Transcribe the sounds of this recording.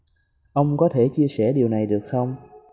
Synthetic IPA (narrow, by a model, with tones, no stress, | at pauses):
ʔə˧wŋ͡mkɔ˨˦t̪ʰe˧˩t͡ɕi˧əsɛ˧˩ɗi˨˩əwna˨˩jɗɨ˨˩ək̚xə˧wŋ͡m